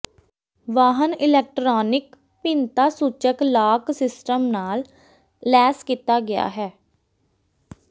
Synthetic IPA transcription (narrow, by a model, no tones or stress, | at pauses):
ʋaːɦənɪlɛːk̚ʈɾɔːnɪk | pɪnt̪aːsuːt͡ʃəklaːksɪsʈəmnaːlː | ɛːskiːt̪aːɡɪja̰ːɦɛː